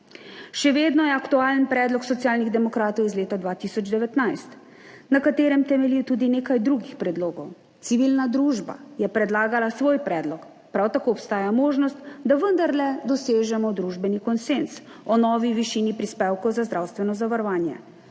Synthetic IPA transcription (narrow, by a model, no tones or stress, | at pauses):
ʃɛʋeːd̪nɔjɛakt̪uaːlənpɾɛːd̪lɔksɔt̪sijaːlniɣd̪ɛmɔkɾaːt̪ɔwizleːt̪ad̪ʋaːt̪isɔd͡ʒd̪ɛʋɛt̪najst̪ | nakat̪eːɾɛmt̪ɛmɛliwt̪uːd̪ineːkajd̪ɾuɡixpɾɛd̪loːɡɔw | t̪siʋilnad̪ɾuːʒba̰jɛpɾɛd̪laːɡalasʋoːjpɾɛːd̪lɔk | pɾawt̪akoːpst̪aːjamoːʒnɔst̪d̪aʋənd̪aɾlɛd̪ɔseːʒɛmɔd̪ɾuʒbɛnikɔnsens | ɔnɔːʋiʋiʃinipɾispeːwkɔwzazd̪ɾawst̪ʋɛnɔzaʋaɾɔʋaːnjɛ̰